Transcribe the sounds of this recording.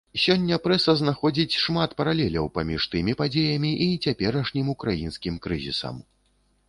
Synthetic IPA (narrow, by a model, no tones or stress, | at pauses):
sʲɔnʲːɐpɾɛsɐznaxɔd͡zʲit͡sʲʂmat̪pɐɾalʲɛlʲɐwpamʲiʂt̪ɨmʲipad͡zʲejɐmʲiʔit͡sʲapʲɛɾɐʂnʲimukɾajinskʲimkɾɨzʲḭsɐ̰m